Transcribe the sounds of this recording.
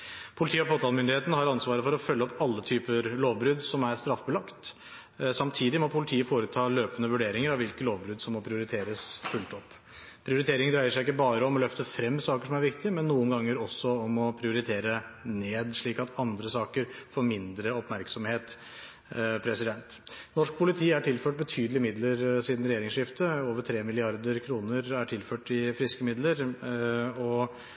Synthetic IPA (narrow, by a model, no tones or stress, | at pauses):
pʰʊlɪt̪iːɔfoːt̪ɑlmʏnd̪ɪheːt̪nəhɑɾɑnsʋɑːɾəfɔɾɔfœlːəɔpːɑlːət̪ʰyːpəɾloːʋbɾʉd̪sɔmæɾst̪ɾɑfːbəlɑkt̪ | sɑmt̪ʰiːd̪ɪmɔpʰʊlɪt̪ʰiːəfoːɾət̪ʰɑːløːpənəʋʉɖeːɾɪŋəɾɑʋɪlkəloːʋbɾʉd̪sɔmːɔpʰɾɪʊɾɪt̪ʰeːɾəsfʉlt̪ɔpː | pʰɾɪʊɾɪt̪ʰeːɾɪŋd̪ɾæɪəʂæɪɪkːəbɑːɾəɔmɔlœft̪əfɾɛmːsɑːkəʂɔmæɾʋɪkt̪ɪmɛnːuːənɡɑŋːəɾɔsːɔɔmɔpʰɾɪʊɾɪt̪ʰeːɾəneːd̪ʂɭiːkɑt̪ʰɑnd̪ɾəsɑːkəɾfoːɾmɪnd̪ɾəɔpmæɾksɔmheːt̪ | pʰɾɛsɪd̪ɛnt̪nɔʂk̚pʰʊlɪt̪ʰiːæʈʰɪlføːʈ̚bət̪ʰyːd̪əlɪmɪd̪ləɾsiːd̪n̩ɾɛjeːɾɪŋsʂɪft̪əoːʋəʈ̪ʰɾeːmɪlɪɑɾd̪əɾkʰɾuːnəɾæʈʰɪlføːʈɪfɾɪskəmɪd̪ləɾ | ɔ